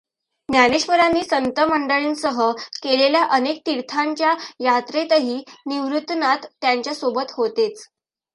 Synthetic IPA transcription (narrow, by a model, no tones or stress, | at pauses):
njaneɕʋəɾanːiːsənt̪əməɳɖəɭiːnsəɦəkeleljaʔənek̚t̪iɾt̪ʰaɲt͡ɕjajat̪ɾet̪əɦiːniʋɾut̪nat̪ːjaɲt͡ɕjasobət̪ɦot̪et͡s